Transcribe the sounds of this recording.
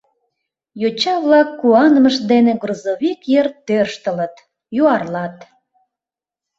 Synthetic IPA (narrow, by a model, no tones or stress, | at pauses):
jot͡ɕɑβlɑkːuɑnməʃd̪eneɡrozoβikjert̪ːørʃt̪ələ̆t̪ | juɑrlɑt̪